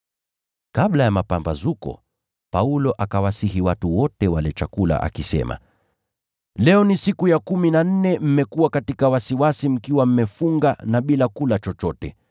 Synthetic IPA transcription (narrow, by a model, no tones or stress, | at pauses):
kaɓlajamapambazukɔ̰ | paulɔʔakawasihiwatuwɔtɛwalɛt͡ʃakula̰ʔa̰kisɛ̰ma̰ | lɛɔnisikujakuminan̩nɛm̩mɛkuwakatikawasiwasim̩kiwam̩mɛfuŋɡanaɓilakulat͡ʃɔt͡ʃɔtɛ